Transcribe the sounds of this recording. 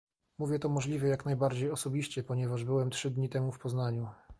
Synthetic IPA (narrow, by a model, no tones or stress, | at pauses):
muvʲjɛt̪ɔmɔʐlʲivʲɛjaknajbaɾd͡ʑejɔsɔbʲiɕt͡ɕɛpɔɲɛvaʐbɘwɛmtʂɘd̪ɲit̪ɛmufpɔznaɲu